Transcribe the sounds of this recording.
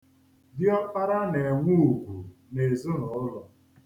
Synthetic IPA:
dɪ˦ɔ˦pa˦ɾa˦ne˨ŋʷu˦˨ɡʷu˨ | ne˨zʊ˦nɔ˨ʊ˦lɔ˦

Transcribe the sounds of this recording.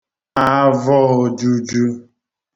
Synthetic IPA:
a˦vɔ˦o˨d͡ʒu˦d͡ʒu˦

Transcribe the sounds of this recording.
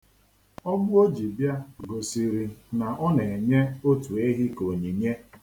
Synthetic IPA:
ɔ˦bʊ˦o˦d͡ʒi˨bja˦ɡo˨si˨ɾi˨na˨ʔɔ˦ne˨e˨ɲe˦o˦tu˨e˦ɦi˦ko˨ɲi˨ɲe˦

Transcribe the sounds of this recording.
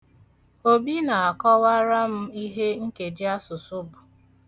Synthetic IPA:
o˦bi˦na˨a˨kɔ˦wa˦ɾa˦m̩˦i˦ɦe˦ŋ̩˦ke˨dɪ˦a˦sʊ˨sʊ˦bʊ˨

